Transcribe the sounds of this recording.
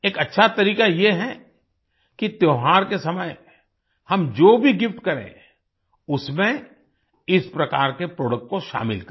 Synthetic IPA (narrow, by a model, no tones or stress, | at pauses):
eːkɐtːʃʰat̪ɐɾiːkajeɦɛ | kit̪joːɦaːɾkesɐməj | hɐmd͡ʒoːbʱiɡɪfʈkɐɾḛ̃ | ʊsmẽ | ɪspɾɐkaːɾkepɾoːɽək̚ʈ̚koʃa̰ːmɪlk